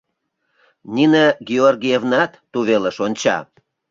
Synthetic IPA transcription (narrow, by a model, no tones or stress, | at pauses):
nʲinəɡʲiorɡʲijevnɑt̪ːuβeləʃonʲt͡ɕɑ̰